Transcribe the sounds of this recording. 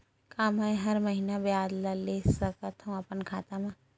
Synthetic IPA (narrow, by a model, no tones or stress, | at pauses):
kaːmãẽɦɐɾmɐɦinabɪjaːd̪laleːsɐkət̪ʰɦũɐpənkʰaːt̪amã